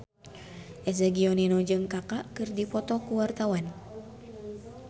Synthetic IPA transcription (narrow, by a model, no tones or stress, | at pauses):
ʔɛsaɡiɔninɔd͡ʒɨŋkakaʔkɨrdipɔt̪ɔkuwart̪awan